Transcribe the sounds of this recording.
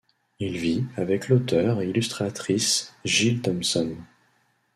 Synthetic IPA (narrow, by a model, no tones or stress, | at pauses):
ilviavɛklot̪œʁeilyst̪χat̪χisʒilt̪ɔmsɔn